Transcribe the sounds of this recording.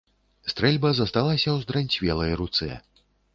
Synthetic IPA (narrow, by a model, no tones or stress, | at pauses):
st̪ɾɛlʲbɐzɐst̪alˠasʲɐwzd̪ɾanʲt͡sʲvʲɛlˠɐjɾut̪sɛ̰